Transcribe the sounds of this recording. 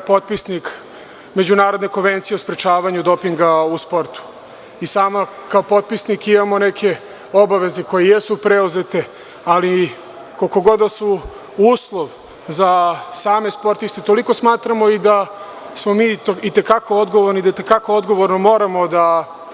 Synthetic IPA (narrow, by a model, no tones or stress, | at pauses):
po̞t̪̚pisnik | me̞d͡ʑunaːɾod̪ne̞ko̞nʋe̞nt̪sijeospɾet͡ʃaːʋaɲud̪o̞piŋɡauspo̞ɾt̪u̥ | isaːmakaopo̞t̪̚pisnikimamo̞ne̞kʰe̞ | obaʋe̞zeko̞jejesupɾeuze̞t̪e̞ | ali | koko̞ɡo̞d̪asu | uːslˠoʋ | zasaːme̞spo̞ɾt̪ist̪et̪o̞liko̞smaːt̪ɾamo̞id̪a | smo̞miːit̪e̞kako̞od̪ɡoʋoɾnid̪ait̪ekako̞od̪ɡo̞ʋoɾnomo̞ːɾamo̞d̪a